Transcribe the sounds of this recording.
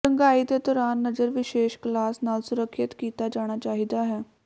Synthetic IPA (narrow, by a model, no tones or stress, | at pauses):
ɾə̃ŋɡaːiːd̪eːd̪ɔːɾaːnːəd͡ʒəɾʋɪʃeːʃklaːsnaːlsʊɾəkʰːɪt̪kiːt̪aːd͡ʒaːɽ̃aːt͡ʃaːɦid̪aːɦɛː